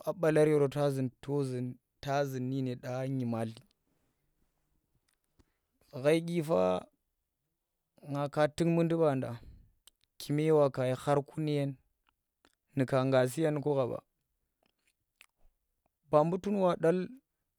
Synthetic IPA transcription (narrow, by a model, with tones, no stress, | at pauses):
a˦ɓa˨la˦ɾe˨ɾo˨ta˦zi˨nto˦zi˨n | ta˦zi˨nːi˦ne˨ɗa˦ɲi˨ma˨ɬi˨ | ɣa˦i˦ɡʲi˦fa̰˦ | ŋa˨ka˦ti˦ŋmɨ˦ndi˦ba˨nda˨ | kʰi˨me˦wa˨ka˨ja˨ha˦ɾku˦ni˦je˦n | i˨ka˨ŋɡa˨s̬i˦ja˦nko˦ɣa˨ba̰˨ | ba˨mbu˦tu˦n˦wa˨ɗa˦l